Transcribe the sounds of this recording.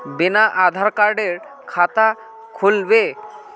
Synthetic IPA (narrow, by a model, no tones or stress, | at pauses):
binaʔad̪ʱaɾkaɾɖeɾ | kʰat̪a | kʰolbe